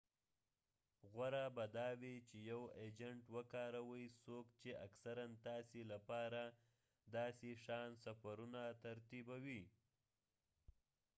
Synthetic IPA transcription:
ɣwaɾabad̪ɑwit͡ʃejawed͡ʒaɳʈwəkɑɾawəjsokt͡ʃeaksaɾant̪ɑselapɑɾa | d̪ɑːseʂɑnsafaɾunat̪aɾt̪ibawi

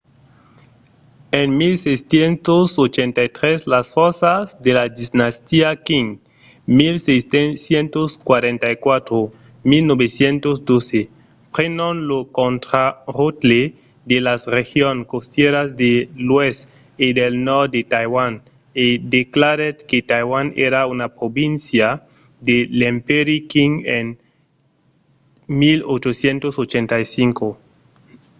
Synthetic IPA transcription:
enmilsejstjent̪osot͡ʃent̪ajt̪ɾeslasfoɾsazd̪elad̪iznast̪iakiŋ | milsejssjent̪oskwaɾent̪ajkwat̪ɾo | milnoβesjent̪osd̪ose | pɾenonlokont̪ɾarut̪le | d̪elasrexjoŋkost̪jeɾazd̪elwes | id̪elnɔɾd̪et̪ajwan | ed̪eklaɾet̪ket̪ajwanḛɾaunapɾobĩnsja | d̪elempeɾikiŋen | milot͡ʃosjent̪osot͡ʃent̪ajsiŋko

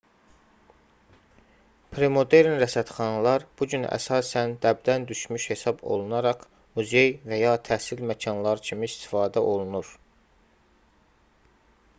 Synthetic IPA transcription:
pʰɾe̞mo̞d̪e̞ɾnɾæsæt̪χɑnɑlˠɑɾb̥uɟynæ̰sɑːsænd̪æb̚d̪ænd̪yʃmyʃhe̞sɑbo̞̰lˠunɑɾɑχ | muze̞jvæjɑt̪ʰæhsilmæcʰɑnlˠɑɾcʰimiist̪ʰi̥fɑːd̪æʔo̞lˠunuɾ

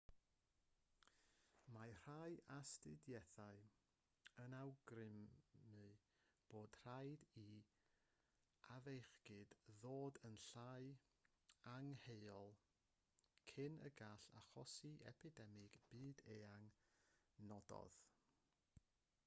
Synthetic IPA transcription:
mar̥ajastɨdjɛθaɨ | ənawɡrɪmːɨ | b̥oːd̥r̥ajdi | avejχɡ̥ɨd̥ðoːdənɬaj | aŋhejɔlˠ | kʰɪnə̰ɡaɬa̰χɔsiʔɛ̰pʰɪdɛmɪɡ̥b̥ɨːdeaŋ | nɔdɔ̰ð̥

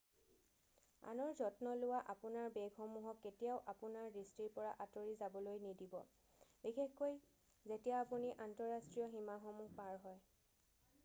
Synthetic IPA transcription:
a̰nɔɹzɔtnɔlʊwaʔapʊnaɹbeɡɦɔmuɦɔkːetijaʊʔapunaɹɹistiɹpɔɹaʔatoɹizabɔlojnidibɔ̰ | bixexkoj | zetijaːpuniʔantɔɹastɹijɔɦimaxɔmuhpaɹɦɔj

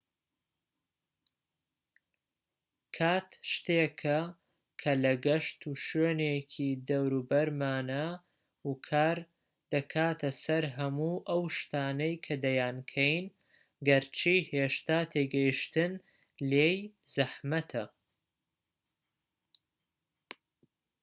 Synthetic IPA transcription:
kʰaːt̪ʃt̪eːkʰɐ | kʰɐlɐɡɐʃt̪ʰuːʃeːnekʰid̪ɐwɾuːbɐɾmaːnɐ | ukʰaːɾ | d̪̥ɐkʰaːt̪ʰɐsɐɾɦɐmuːʔɐwʃt̪aːnɐjkʰɐd̪ɐjaːnkʰɐjn | ɡɐɾt͡ʃʰiheːʃt̪aːt̪ʰeːɡɐjiʃt̪ɨn | leːjz̥ɐħmɐt̪ʰɐ

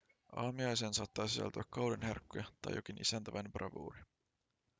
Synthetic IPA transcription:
ɑːmiɑjseːnsɑːt̪ːɑːsisæ̰lt̪yækːɑwlenherkːojɑt̪ɑ̰jo̞̰kinʔḭsænt̪æʋɑjnprʔɑ̰ʋṵːɾi

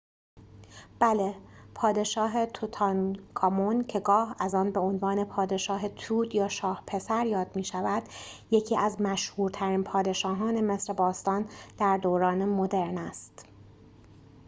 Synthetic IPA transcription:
b̥ælepʰɒːd̪e̞ʃɒːɦe̞t̪ʰut̪ʰɑnkʰɒmoncʰe̞ɡɒːhæzɒːnbeonvɒːne̞pʰɒːd̪e̞ʃɒːɦe̞t̪ʰuːd̪jɒːʃɒːhpʰe̞sæɾjɒːd̪̥̚miːʃævæd̪̥je̞cʰiːʔæzmæʃhuːɾt̪ʰæɾiːnpʰɒːd̪e̞ʃɒːɦɒːne̞me̞sɾebɒːst̪ɒːnd̪̥æɾd̪oːɾɒːnemo̞d̪e̞ɾnæst̪

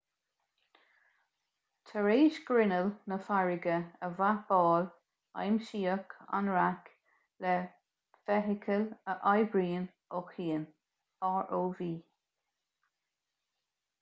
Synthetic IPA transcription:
tʰəɹeːʃɡ̥ɾɪnəlnəfaɹɪɡəəvab̥ɔːl | a̰jmʃiːəkʰa̰nɹak | lɛ | v̥ɛɦɪkʰələʔajbɹiːn | ɔkiːən | ɑːɹʔoːviː

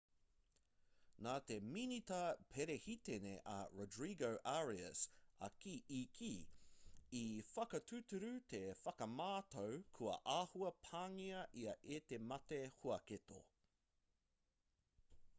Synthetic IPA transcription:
naːt̪e̞minit̪ɐpʰeɾehit̪eneʔɐ̰ɹodɹiɡowʔaɹiə̰sɐ̰kiʔikʰi | ifɐkɐt̪ʰʉtʉɾʉt̪ʰe̞fɐkɐmaːt̪owkʰuɐ̰ʔaːhuɐpʰaːŋiɐʔiɐʔet̪emɐt̪ehuɐket̪o̰

